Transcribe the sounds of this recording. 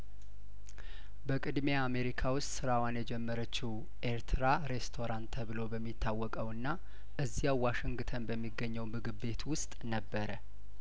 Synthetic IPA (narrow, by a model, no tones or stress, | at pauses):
bəkʼɨd̪me̞ame̞ɾikʰawʊst̪ʼsɨɾawanjɛd͡ʒɛmːəɾət͡ʃːɪh | ʔeɾt̪ʰɨɾaɾe̞st̪ʰo̞ɾant̪ʰəβɨlo̞bəmːit̪ʰːawːɔkʼəwɨnːa | ʔɨzːijawwaʃɪŋɡɨt̪ʰənbəmːiɡːəɲːəwmɨɡɨbe̞t̪wʊst̪ʼnəbːəɾə